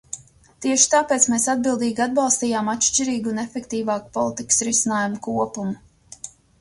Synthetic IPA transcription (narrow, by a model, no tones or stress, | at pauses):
t̪iɛʃi̥t̪aːpeːt̪smeːsad̪̚bilˠd̪iːɡʲad̪̚bɑlˠst̪iːjaːmat̪ʃt͡ʃiɾiːɡunɛfɛkt̪iːvaːku̥pɔlˠit̪ikə̥sɾisinaːjumukuɔpumu